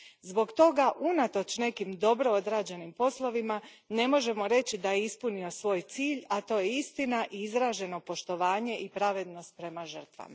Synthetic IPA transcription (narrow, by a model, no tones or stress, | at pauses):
zbo̞ɡt̪o̞ɡaʔunat̪o̞t͡ʃne̞kimd̪o̞bɾo̞od̪ɾaːd͡ʑe̞nimpo̞slˠo̞ʋima | ne̞mo̞ʒe̞mo̞ɾe̞t͡ɕid̪ajeispunio̞sʋo̞ːjt̪siːʎat̪o̞ːjeist̪inaʔiizɾaːʒe̞no̞po̞ʃt̪o̞ʋaːɲe̞ʔipɾaʋe̞d̪no̞st̪̚pɾe̞maʒər̩t̪ʋa̰ma